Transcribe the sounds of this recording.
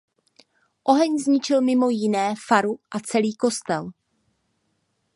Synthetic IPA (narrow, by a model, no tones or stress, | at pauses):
ʔo̞ɦɛɲzɲɪt͡ʃɪlmɪmojɪnɛːfaɾuʔat͡sɛliːko̞st̪ɛl